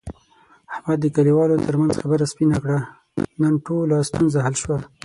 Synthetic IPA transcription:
ahmad̪ːəkaliwɑlot̪əɾmanz̥xabəɾaspinakɽa | nanʈolast̪unzaɦalʃwa

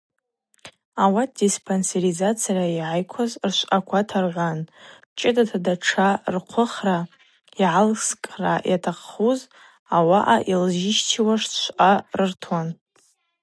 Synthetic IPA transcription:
awat̚ʰdispʰonseɾizat͡sʰijaraiʕajkʷʰazrʃʷakʷʰatʰarʁan | t͡ʃʼɪdatʰadaʈ͡ʂʰarqʷʰʊχra | iʕalskʼrajʔatʰaqːuz | awaʔaʔilʒɪʃtʰiwaʂʃʷʔarɨrtʰwan

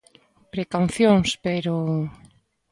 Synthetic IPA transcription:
pɾekawθjoŋspeɾo

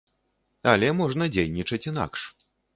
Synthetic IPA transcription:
ɐlʲɛmɔʐnɐd͡zʲejnʲit͡ʂɐt͡sʲina̰kʂ

